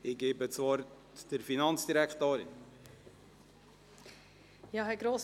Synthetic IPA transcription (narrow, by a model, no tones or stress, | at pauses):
ɪɡeːbət͡svɔɾt | d̥əɾfinɑnt͡sd̥iɾækt̪oːɾɪ̰n | jɑɦɛɡɾoːs